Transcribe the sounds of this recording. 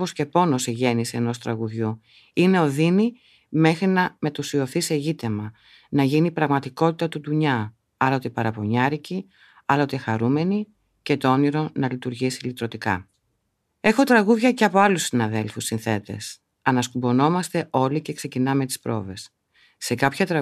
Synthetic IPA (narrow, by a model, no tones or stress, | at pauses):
osce̞po̞no̞seʝe̞niseeno̞st̪ɾɐ̰ɣuðʝu | ine̞o̞ðini | me̞xɾinɐme̞t̪usio̞θise̞ʝit̪e̞mɐ | nɐʝinipɾɐɣmɐt̪iko̞t̪it̪ɐt̪ut̪uɲɐ | ɐlot̪epɐɾɐpo̞ɲɐɾici | ɐlot̪exɐɾume̞ni | ce̞t̪oo̞niɾo̞nɐlit̪uɾʝisilit̪ɾo̞t̪ikɐ̰ | e̞xo̞t̪ɾɐɣuðʝɐce̞ɐpo̞ɐlusːinɐðe̞lfusːinθe̞t̪e̞̰s | ɐnɐskubo̞no̞mɐst̪e̞ʔo̞lice̞kse̞cinɐme̞t̪i̥spɾo̞̰ve̞s | se̞kɐpçɐt̪ɾɐ